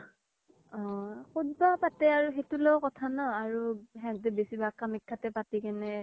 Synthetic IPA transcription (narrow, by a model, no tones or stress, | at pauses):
ɔ̃xudbapatɛaɹuxetulɔwkɔtʰanɔaɹuɦɛŋtɛbesibakamikʰːatɛpatikanɛ